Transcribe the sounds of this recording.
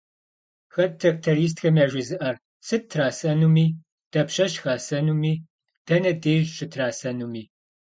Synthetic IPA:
xɐt̚tʰɐk̚tʰɐɾiːs̬txɐmɐːʒʷɪzɨʔɐr | sɨtʰraːsɐnumiː | d̥ɐpʃɐʃxaːsɐnuːmiː | d̥ɐnɐdeːʒʃɨtʰraːsɐnumiː

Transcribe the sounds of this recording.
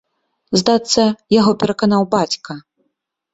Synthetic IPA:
zd̪at̪sːɐjaɣɔpʲɛɾɐkanawbat͡sʲkɐ

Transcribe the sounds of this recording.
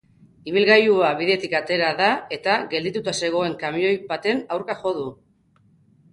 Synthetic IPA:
iβ̞ilɣajuaβ̞iðe̞t̪ikat̪e̞ɾaðae̞t̪aɣe̞ld̪it̪ut̪ase̞ɣ̞o̞e̞ŋkamio̞jβat̪e̞nawɾkaxo̞ð̞u

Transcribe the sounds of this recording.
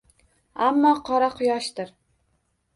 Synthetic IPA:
amːɒqʰɒɾaqʰʊjɒʃt̪ɪɾ

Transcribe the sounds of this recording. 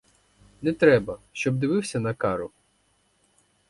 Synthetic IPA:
nɛt̪ɾɛbɐʃt͡ʃɔb̚d̪ɪʋɪwsʲɐnɐkɑɾʊ

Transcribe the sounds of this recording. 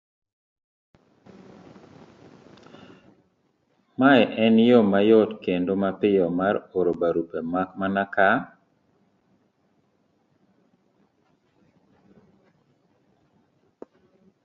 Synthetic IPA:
majɛʔɛnjɔmajɔtkendomapɪjɔmaɾoɾobaɾupemamanaka

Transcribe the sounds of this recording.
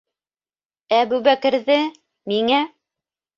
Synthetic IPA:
æbʉβækɘ̆ɾðɘ | miŋæ

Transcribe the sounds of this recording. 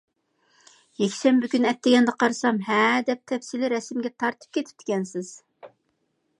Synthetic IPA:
jɛkʲʃɛmbɪkʲynɛt̪ːɪɡʲɛnd̪ɛqʰɑɾɨsɑmɦɛd̪ɛp̚t̪ʰɛfsilɪɾɛsmɡʲɛt̪ʰɑɾt̪ʰɨ̥p̚kʲʰet̪ʰɪ̥p̚t̪ʰɪ̥kʲʰɛnsɪz̥

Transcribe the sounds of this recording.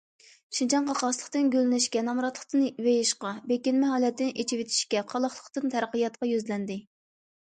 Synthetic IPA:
ʃint͡ʃʰɑnqʰɑqɑslˠəqt̪ɨnɡʲølɪnɪʃkʲɛnɑmɾɑt̪lˠəχt̪ɨnwejiʃqɑbekʲinmɛɦɑːlɛt̪ʰːɪnɪʔet͡ʃʰiwet̪ʰi̥ʃkʲɛqʰɑlˠɑχlˠəqt̪ɨnt̪ʰæɾqijɑt̪̚qɑjøzlɛnd̪ɪ

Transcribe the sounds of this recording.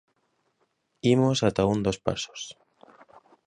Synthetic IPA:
imosat̪aund̪ospa̰so̥s

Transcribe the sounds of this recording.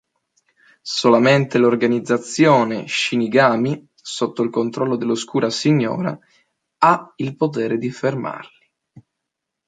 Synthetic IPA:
solament̪elorɡanid̪zːat̪sːjoːneʃiniɡaːmi | sot̪ːoilkont̪ɾɔlːod̪elːoskuːɾʔasiɲːo̰ːɾa̰ | ailpot̪ɛːɾed̪iferma̰rli

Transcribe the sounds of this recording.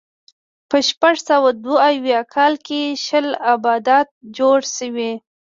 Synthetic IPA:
pəʃpaʐsawad̪woawjɑkʰɑlkeʃəlabɑd̪at̪̚d͡ʒoɽʃəwi

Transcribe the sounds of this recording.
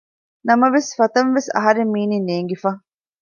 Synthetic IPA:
nɐmɐʋesfɐt̪ɐnʋesɐ̰ɦɐɾemːiːninːeːŋɡefaː

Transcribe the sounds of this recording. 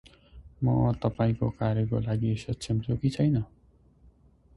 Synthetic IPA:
mʌ̰t̪ʌpaĩkokaɾjʌkolaɡisʌtːt͡sʰimt͡sokit͡sʰʌjnʌ

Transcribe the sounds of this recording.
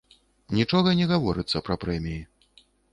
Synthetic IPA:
nʲit͡ʂɔɣɐnʲɛɣavɔɾɨt̪sːɐpɾɐpɾɛmʲiji

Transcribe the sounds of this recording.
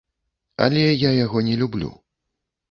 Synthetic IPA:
a̰lʲɛjajaɣɔnʲɛlʲublʲṵ

